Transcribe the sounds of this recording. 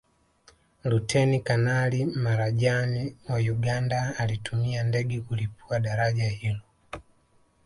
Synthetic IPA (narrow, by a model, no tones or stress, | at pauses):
lutʰɛnikanalimaɾaʄaniwajuɡandaalitumiandɛɡɛkulip̚uaɗaɾaɟahilɔ